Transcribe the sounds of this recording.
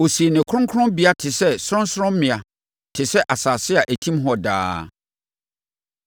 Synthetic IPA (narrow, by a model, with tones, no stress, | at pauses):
o˨se˨nɪ̃˨kʰʊ˦ʊ̃˦ŋ˦kʰʊ˦ɾʊ̃˦bi˨a˦tʰɪ˨sɛ˦sɾɔ̃˦n˦sɾɔ̃˦m˦mɪ̃˨a˨ | tʰɪ˨sɛ˦ʔa˨saː˨sɪ˦a˨ʔæ˨tʰĩ˦mɦɔ˦da̰ː˦